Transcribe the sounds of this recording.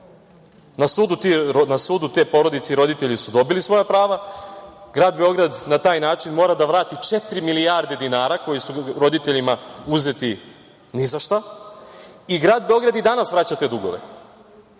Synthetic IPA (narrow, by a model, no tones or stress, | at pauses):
nasuːd̪ut̪inasuːd̪ut̪e̞ːpo̞ɾo̞d̪it̪seɾo̞d̪it̪e̞ʎisud̪o̞bilisʋo̞japɾaːʋa | ɡɾaːd̪be̞o̞ɡɾad̪nat̪aːjnaːt͡ʃinmo̞ːɾad̪aʋɾaːt̪it͡ʃe̞t̪ɾimilijaɾd̪e̞d̪inaːɾako̞jisuɾo̞d̪it̪e̞ʎimauze̞t̪i | nizaʃt̪a | iɡɾaːd̪̚beo̞ɡɾad̪id̪anasʋɾat͡ɕat̪e̞d̪uɡo̞̰ʋḛ